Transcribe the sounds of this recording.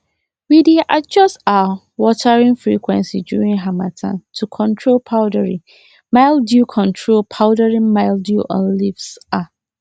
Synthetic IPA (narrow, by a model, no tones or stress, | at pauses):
widiʔad͡ʒɔsta | wɔtʰaɹĩnfɹikʰwɛ̰̃nsidṵɹĩŋɦamatʰã̰ntʰukʰɔ̃ntʰɹolpʰaʊdəɹĩ | maɪlˠdjukʰɔ̃ntʰɹolpʰaʊdaɹĩmaɪldjuʔɔ̰̃nlifsa